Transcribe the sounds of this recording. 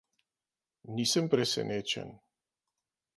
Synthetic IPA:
nisɨmpɾesḛnet͡ʃḛn

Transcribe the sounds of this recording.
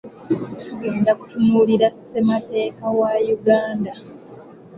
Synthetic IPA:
tuɡe̞ːndaku̥tunuːliɾase̞mate̞ːkawajuɡaːnda

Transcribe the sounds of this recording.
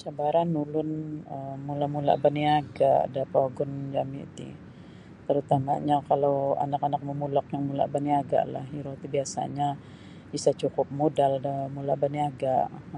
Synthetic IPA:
t͡ʃabaɾanːulʊnəmulamula̰baniaɡadapaɡʊnd͡ʒamḭt̪ḭ | t̪əɾut̪ama̰ɲakalawa̰nakanak̚məmulak̚jaŋmula̰ʔbaniaɡa̰ʔla̰hiɾot̪ibiasa̰ɲa | bisat͡ʃukʊp̚modaldəmulabaniaɡaʔ

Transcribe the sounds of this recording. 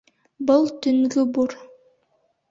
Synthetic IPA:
bəlˠt̪yŋɡybuɾ

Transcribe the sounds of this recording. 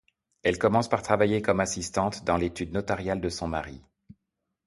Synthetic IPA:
ɛlkɔmɑ̃spaʁt̪χavajekɔmasist̪ɑ̃t̪d̪ɑ̃let̪yd̪nɔt̪aʁjald̪əsɔ̃maʁḭ

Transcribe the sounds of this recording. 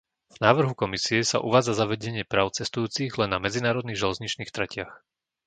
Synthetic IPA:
vnaːʋr̩ɦukɔmisiɛsa̰ʔuʋaːd͡zazaʋɛɟɛɲɪɛpɾaːʊt͡sɛst̪ujuːt͡siɣlɛnːamɛd͡zinaːɾɔd̪niɣʒɛlɛzɲit͡ʃniːxt̪ɾɛcɪax

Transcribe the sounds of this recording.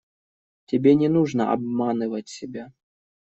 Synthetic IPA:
tʲɪbʲenʲɛnuʐnəɐ̰ʔɐ̰bmanɨvətʲsʲɪbʲa

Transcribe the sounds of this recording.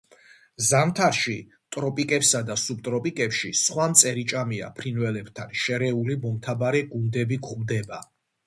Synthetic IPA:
zamt̪ʰaɾʃi | t̪ʼɾɔpʼikʼɛpsad̪asub̚t̪ʼɾɔpʼikʼɛpʃisχwamt̪sʼɛɾit͡ʃʼamia̰pʰɾinvɛlɛbt̪ʰanʃɛɾɛulimɔmt̪ʰabaɾɛɡund̪ɛbiɡχmd̪ɛba

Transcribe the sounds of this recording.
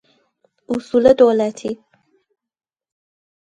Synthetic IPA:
usulad̪oːlat̪ʰi

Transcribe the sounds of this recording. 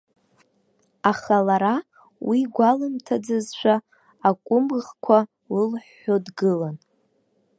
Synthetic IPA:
aχalaɾa | wiɡʷalɨmtʰad͡zazʃʷʰaː | kʷʼʊmʁkʷʰa | lɨlħːodɡɨlan

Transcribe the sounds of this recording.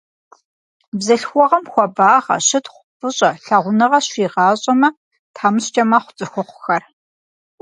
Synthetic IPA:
bzɐɬxʷɔʁɐmxʷɔbaːʁɐ̰ɕɨtχʷʊpʰɨɕʼɐɬaʁʷʊnɐʁɐɕʷiːʁɑːɕʼɐmɐ | tʰaːmɨɕt͡ʃʼɐmaχʷʊ̥t͡sʼɨxʷɔqʷʊ̥xɐr

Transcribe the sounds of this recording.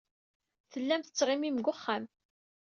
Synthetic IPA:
θəlːæmθə̥t͡sːʁɪmimɡʷʊχːam

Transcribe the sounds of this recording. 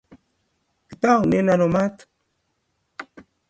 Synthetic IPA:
kit̪awninanomat̪

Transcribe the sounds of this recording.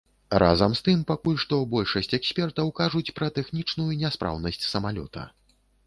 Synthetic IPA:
rʔa̰zɐmst̪ɨmpakulʲʂt̪ɔbɔlʲʂɐsʲt͡sʲɛksʲpʲɛrt̪ɐwkaʐut͡sʲpɾɐt̪ɛxnʲit͡ʂnujunʲɛspɾʔa̰wnɐsʲt͡sʲsɐmalʲɔ̰t̪ʰɐ̰

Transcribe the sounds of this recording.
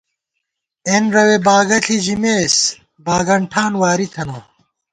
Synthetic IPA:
enɾɐwebaːɡɐɬʰid͡ʑimeːs | baːɡɐɳʈʰaːnwaːɾit̪ʰɐnoː

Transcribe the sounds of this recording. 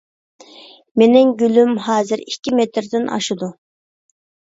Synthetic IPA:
menɪŋɡʲylymɦɑːzɪɾikʲːimet̪ɾd̪ɪnʔɑ̰ʃɨd̪u

